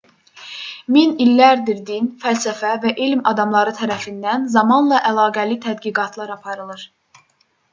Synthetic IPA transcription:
minilːæɾd̪iɾd̪infælsæfævæʔilmɑd̪ɑmlˠɑɾɯt̪ʰæɾæfind̪ænzɑmɑnlˠɑʔælˠɑːɡælit̪ʰæd̪ɡiɡɑt̪ʰlˠɑɾɑpʰɑɾɯlˠɯɾ̥

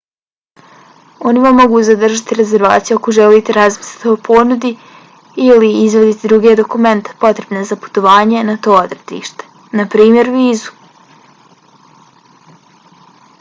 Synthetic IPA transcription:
o̞niʋamːo̞ɡuːzad̪r̩ʒat̪iɾe̞ze̞ɾʋaːt̪sijuokoʒeliːt̪eɾazmi̥sli̥t̪opʰo̞nud̪i | iliizʋed̪it̪id̪ɾuɡe̞d̪o̞kume̞nt̪e̥po̞t̪ɾe̞bnezapu̥t̪o̞ʋaːɲe̞nat̪o̞ːod̪ɾed̪ḭːʃt̪e̥ | napɾiːmje̞ɾʋiːzu̥

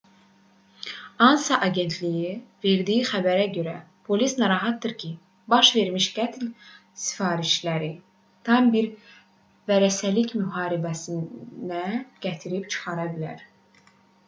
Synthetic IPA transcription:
ɑnsɑʔɑɟe̞nt̪ʰlijive̞ɾd̪ijixæbæɾæɟø̞ɾæ̰ | pʰo̞lisnɑɾɑɦɑt̪̚d̪ɯɾcʰi | bɑʃve̞ɾmiʃɡ̥æt̪ʰl | si̥fɑːɾiʃlæɾi | t̪ʰɑmbiɾ | væɾæsælicmyɦɑːɾibæsinæɡ̥æt̪ʰiɾipt͡ʃʰɯ̥χɑɾɑbilæ̰ɾ

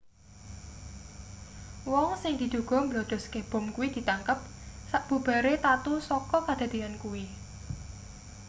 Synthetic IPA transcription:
wɔŋsɪŋd̪̥i̤d̪̥ṳɡ̥ɔ̤mbəlɔd̪̥ɔ̤skeb̥ɔ̤mkuwid̪̥i̤t̪aŋkəp̚ | saʔb̥ṳb̥a̤ɾet̪at̪usɔkɔkad̪̥a̤d̪̥iankuwi

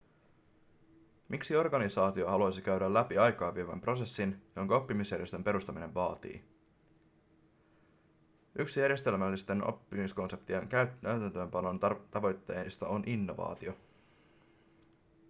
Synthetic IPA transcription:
mʔiksio̞rɡɑnisɑːt̪io̞ɦɑluɑjsikæɥdɾælːæpiɑjkɑːʋːiːʋɑmpro̞se̞sːinjo̞ŋkɑo̞pːimisjæɾrje̞st̪ømpe̞ɾust̪ɑmine̞ʋʋɑːt̪ḭː | yksijæɾje̞st̪e̞lmælːist̪e̞no̰pːimisko̞nse̞p̚t̪ieŋkæyæyt̪ænt̪ø̞ːmpɑno̞nt̪ɑʋo̞jt̪ːe̞ːst̪ɑonʔinːo̞ʋɑ̰ːt̪io̞

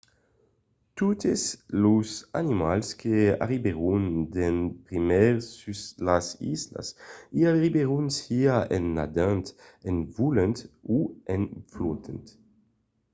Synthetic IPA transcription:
t̪ut̪eslosa̰nimalskea̰ʁibeʁund̪enpʁimɛɾsyslasḭzla̰siaʁibeʁunsiaʔenːa̰d̪ant̪envulent̪uenflut̪ʰḛnt̪

